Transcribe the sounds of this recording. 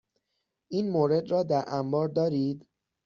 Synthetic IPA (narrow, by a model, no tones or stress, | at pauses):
ʔiːnmoːɾe̞d̪rɒːd̪æɾʔæmbɒːɾd̪ɒːɾiːd̪